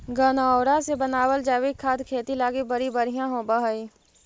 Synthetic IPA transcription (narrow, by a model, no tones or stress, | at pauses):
ɡənaɔːɾasebənaːwəld͡ʒaːwikʰːaːt̪kʰeːt̪ilaːɡibəɾibəɾijãɦoːbəɦəiː